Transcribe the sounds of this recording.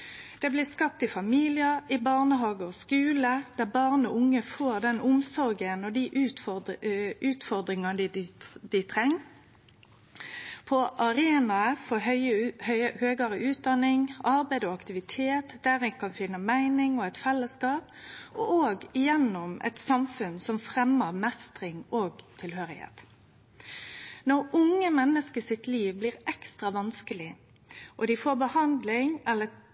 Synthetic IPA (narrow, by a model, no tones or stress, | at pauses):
d̪̥ɛblɪskɑp̚t̪ɪfɑmiːlɪəɪbɑʁnəɦɑːɡəɔskʉːləd̪̥æʁbɑʁnɔʊŋːəfoːʁd̪ɛnʊmsɔɾɡənɔd̪iʔʉt̪ | ʉːt̪fɔʁd̪ɾɪŋɑd̪d̪ɪt̪ʰʁɛŋː | pʰɔʔɑɾeːnɑəfɔɦœʏhœhøːɡəɾəʔʉːt̪̚d̪ɑnɪŋɑɾbæɪd̪ɔɑkt̪ɪʋɪt̪ʰeːt̪d̪æːɾɪŋkʰɑnfɪnːəmæɪnɪŋɔɛɪt̪fɛlːəskɑːp̚ɔʔoːɡɪjɛnːɔmʔɛ̰t̪sɑmfʉnsɔmfʁɛməʁmɛst̪ʁɪŋoːɡt̪ʰɪlɦøːɾɪhḛːt̪ | nɔʁʊŋːəmɛnːəskəsɪt̪liːʋbliːʁɛkst̪ʁɑʋɑnskəlɪ | ʔɔd̪ɪfoːɾbəhɑnd̪lɪŋɛlːə